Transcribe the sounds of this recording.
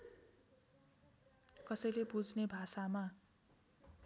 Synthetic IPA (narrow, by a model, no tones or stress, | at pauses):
kʌsʌjlepud͡znebʱasama